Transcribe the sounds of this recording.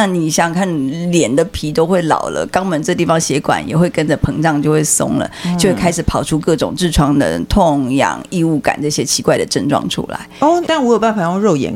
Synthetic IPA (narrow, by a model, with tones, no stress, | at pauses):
na˥˩ni˨˩ɕjɑ˨˩ŋkʰa˥˩nljɛ˨˩nd̪ə˨pʰi˧˥t̪o˥ʊxwe˥˩ɪlɑ̰˨˩ʊlə̰˦kɑ˥ŋmə˧˦nʈ͡ʂɤ˥˧t̪̬i˥˩fɑ˧˩ŋɕjɛ˧˥kwa̰˨˩˦njɛ˨˩xwe˥˩ɪkə˥nd͡ʒə˨pʰɤ˧˥ŋʈ͡ʂɑ˥˧ŋt͡ɕjo˥˧ʊxwe˥˩ɪsʊ̰˥ŋlə̰˨˦t͡ɕjwe˥˩kʰa˥ɪʂɻ̩˨˩pʰɑ˨˩ʊʈ͡ʂʰu˦˥kɤ˥˩ʈ͡ʂʊ˨˩ŋʈ͡ʂɻ̩˥˩ʈ͡ʂʰwɑ˥ŋd̪ə̰˧t̪ʰʊ˥˧ŋjɑ̰˨˩ŋi˥˧u˥˩ka̰˨˩˦nʈ͡ʂɤ˥˩ɕjɛ˥t͡ɕʰi˧˥kwa˥˩ɪd̪ə˩ʈ͡ʂə˥˧nʈ͡ʂwɑ̰˥˩ŋʈ͡ʂʰṵ˥la̰˧˦ɪɔ˥˩t̪a˥˩˥wɔ˧˥jo˨˩pa˥˩fa˨˩jɔ˥˧ɻo˥˩ʊjɛ̰˧˥n